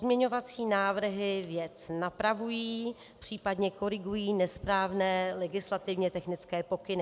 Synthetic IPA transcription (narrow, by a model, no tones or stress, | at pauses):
zmɲɛɲo̞vat͡siːnaːvr̩ɦɪvjɛt͡snapɾavujiː | pr̝̥iːpadɲɛko̞ɾɪɡujiːnɛspɾaːvnɛːlɛɡɪslat̪ɪvɲɛt̪ɛxnɪt͡skɛːpo̞kɪnɪ